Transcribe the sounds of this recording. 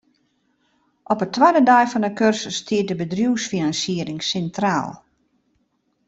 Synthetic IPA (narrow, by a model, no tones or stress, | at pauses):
ʔɔpətʰʋadədajfɔndəkørsəstʰiət̚dəbədrjuwsfinansiəɾɪŋsɛntra̰ːlˠ